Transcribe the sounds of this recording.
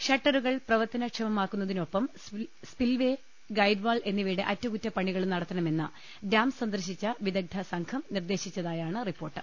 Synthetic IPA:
ɕɐʈːɐɾuɣɐɭprɐʋɐrt̪ɐnɐkʂɐmɐmaːkːunːɐðino̞pːɐm | spilʋe | ɡɐjɖʋaːle̞nːiʋiːɽeʔɐtːɐkutːɐpɐɳiɣɐɭumnɐɽɐt̪ːɐɳɐme̞nːɨ | daːmsɐnd̪ɐrɕit͡ɕːɐʋid̪ɐɡ̚d̪ʰʱɐsɐŋkʰɐmnird̪e̞ːɕit͡ɕːɐðaːjaːɳɨripːo̞ːrʈːɨ

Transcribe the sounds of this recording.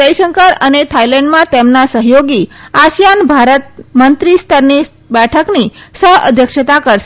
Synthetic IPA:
əjʃəŋkəɾənet̪ʰailɛ̃ɳɖmãt̪emnasəɦjoɡiaʃjanbʱaɾət̪̚mənt̪ɾist̪ʰəɾni | bɛʈʰəknisəɦə̰d̪ʱjəkʃət̪akəɾʃ

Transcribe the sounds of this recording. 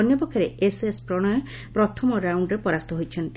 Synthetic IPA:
ɔnjɔpɔkʰjɔɾeʔesespɾɔɽ̃ajɔ | pɾɔt̪ʰɔmɔɾawɳɖɾepɔɾast̪ɔɦojt͡ʃʰɔnt̪i

